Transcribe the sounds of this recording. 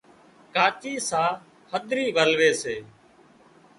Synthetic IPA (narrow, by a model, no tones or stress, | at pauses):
kaːt͡ʃiːsãː | həd̪ɾiːʋəlʋeːseː